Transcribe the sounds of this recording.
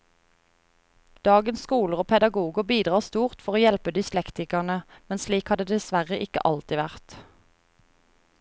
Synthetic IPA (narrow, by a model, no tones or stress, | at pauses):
d̪̥ɑːɡənsskuːləʁoːpʰɛd̪ɑɡuːɡəbiːd̪ʁɑːʁst̪uːʁt̪fɔʁoːjɛlpəd̪ʏslɛkt̪ɪkəʁnəmɛnsliːkhɑd̪əd̪ɛsʋæʁəʔɪkə̰ʔɑlt̪ɪʋæʁt̪